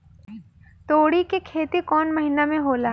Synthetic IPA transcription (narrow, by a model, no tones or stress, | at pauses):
t̪oːɽikekʰeːt̪ikɔːnmɐɦinamẽɦoːla